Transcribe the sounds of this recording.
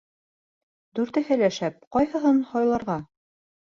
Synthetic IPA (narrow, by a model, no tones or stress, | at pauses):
d̪ʉɾt̪ɘ̆hɘlæʃæp̚qɒjhɤ̆ɦɤnhɒjlˠɑɾʁɑ